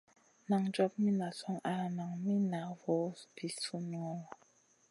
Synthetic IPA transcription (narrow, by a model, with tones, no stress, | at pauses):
na˨ŋd͡ʒɔ˦p̚mi˦na˨sɔ˦ŋa˦˨na˨ŋmi˦na˨wɔ˨˦bi˨su˦m˦ŋɔ˦ŋ˨